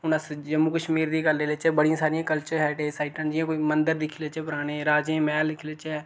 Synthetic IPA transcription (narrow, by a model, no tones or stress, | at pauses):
ʊnaːsd͡ʒəmːuːkəʃmiːɾd̪iːɡəlːeːlet͡ʃɛːbəɽijãːsaːɾɪjãːkəlt͡ʃəɾɦɛːʈeːsaɪʈənd͡ʒɪãːkoːiːmənd̪əɾd̪ɪkʰːlet͡ʃɛːpʊɾaːɽ̃eːɾaːd͡ʒẽːmɛːllɪkʰlet͡ʃɛː